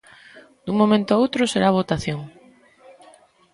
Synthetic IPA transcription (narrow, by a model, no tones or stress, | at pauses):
d̪̥uŋmõmẽnt̪oowt̪ɾʊseɾaβ̞ot̪aθjoŋ